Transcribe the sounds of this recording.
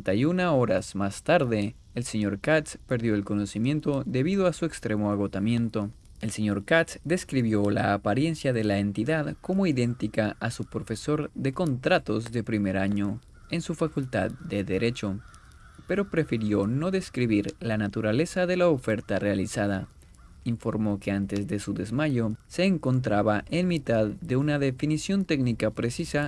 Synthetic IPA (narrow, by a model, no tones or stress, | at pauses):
nt̪ajunaoɾa̰zmast̪aɾðe̞ː | lse̞ɲo̞ɾkat̪spe̞ɾðjo̞elko̞no̞simjẽ̞nt̪o̞ðe̞βið̞oasue̞kst̪ɾemo̞aɣo̞t̪amje̞nt̪o̞ | e̞lse̞ɲo̞ɾkat̪sd̪e̞skɾiβjo̞la̰ːpaɾje̞nsjaðe̞laent̪iðaðko̞mo̞iðe̞nt̪ikaʔasupɾo̞fe̞so̞ɾðe̞ko̞nt̪ɾat̪o̞zðe̞pɾime̞ɾaɲo̞ | ensufakult̪a̰ðde̞ðe̞ɾʔe̞t͡ʃo̞ | pe̞ɾopɾe̞fiɾjo̞no̞ðe̞skɾiβiɾlanat̪uɾale̞saðe̞laofe̞ɾt̪arealisaða̰ | iɱfo̞ɾmo̞ke̞ant̪e̞zðe̞suðe̞zmaʝose̞ːŋko̞nt̪̬ɾaβaʔenmit̪aðde̞unaðe̞finisjo̞nt̪eɡnikapɾe̞sisa